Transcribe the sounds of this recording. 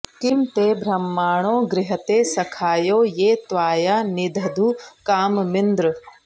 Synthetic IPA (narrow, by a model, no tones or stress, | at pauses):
kimt̪eːbʱɾɐmːaːɳ̃oːɡɾɪɦɐt̪eːsɐkʰaːjoːjeːt̪ʋaːjaːnid̪ʱɐd̪uːkaːmmɪnd̪ɾɨ